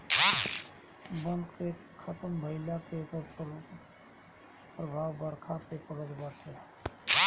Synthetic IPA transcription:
bə̃nd̪ke | kʰət̪əmbʱəɪlakek | pɾəbʱaːʋbəɾkʰapepəɡəd͡ʒbəɾsʰe

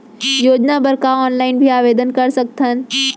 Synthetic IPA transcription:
joːd͡ʒnabɐɾkaɔːnlaːɪnbʱiaːʋeːd̪ənkɐɾsɐk̚t̪ʰən

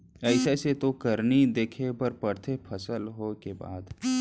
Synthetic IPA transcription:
ɛɪseset̪okəɾnid̪eːkʰebəɾpəɾt̪ʰepʰɐsəlɦokeba̰ːd̪

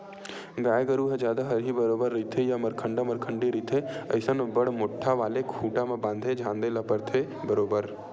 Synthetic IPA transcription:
ɡaːeɡəɾuɦed͡ʒjaːd̪aɦəɾɦibəɾoːbəɾːit̪ʰejaməɾkʰəɳɖaməɾkʰəɳɖiɾit̪ʰeəɪsənbəɽmoʈʰːaʋaːlekʰuːʈamẽbãːnd̪ʱed͡ʒʱãːnd̪elapəɾt̪ʰe | bəɾoːbəɾ

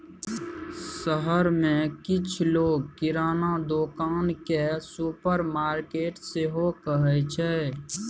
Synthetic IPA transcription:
səɦəɾmẽkɪt͡ʃʰloːɡ̚kɪɾaːnad̪oːkaːnkesupəɾmaːɾkeːʈseɦokəɦɛt͡ʃʰɛː

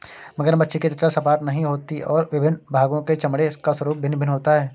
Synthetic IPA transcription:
mɐɡəɾbɐtːʃeket̪ɪʈ̪ɾasɐpaːʈnɐɦĩɦoːt̪iʔɔːɾʋɪbʱɪnbʱaːɡõket͡ʃɐmɽekaswəɾuːp̚bʱɪnbʱɪnɦoːt̪aɦɛː

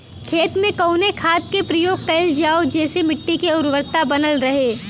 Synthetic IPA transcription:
kʰeːt̪mẽkɐʊnekʰaːt̪̚kepɾɐjoːɡ̚kɐɪld͡ʒaːod͡ʒɛːsemɪʈːikeʊɾwəɾt̪abɐnəlɾɐɦeː

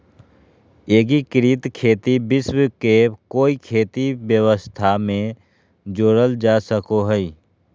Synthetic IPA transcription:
eːɡikɾiːt̪kʰeːt̪ibɪswkekoːikʰeːt̪ibjəwəst̪ʰamẽ | d͡ʒoːɽəld͡ʒaːsəkoɦɛi

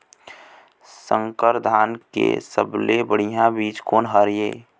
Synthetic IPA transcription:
səŋkəɾd̪ʱaːnkḛsəblebəɽ̤ijãbiːt͡ʃkoːnɦəɾjeː

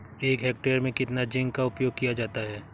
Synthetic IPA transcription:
eːkɦeːk̚ʈeːɾmẽkɪt̪nad͡ʒɪ̃ŋɡ̚kaʊpjoːɡ̚kijad͡ʒaːt̪aɦɛː

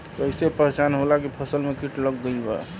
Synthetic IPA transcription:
əisepəɦt͡ʃanɦolakepʰəsəlmekiʈləɡːəjbə̰

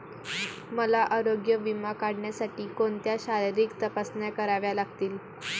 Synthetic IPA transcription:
məlaʔaɾoɡjəʋimakaɽɳjasaʈiːkont̪jaɕaɾiɾiːkt̪əpasnjakəɾaʋjalaɡt̪iːl

